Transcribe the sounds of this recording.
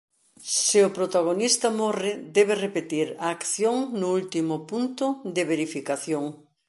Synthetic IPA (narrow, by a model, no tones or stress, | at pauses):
sɪʊpɾot̪aɣ̞onist̪ɐmɔrɪd̪ɛβɪrepet̪iɾaːkθjoŋnʊult̪imʊpunt̪ʊd̪ɪβeɾifikaθjoŋ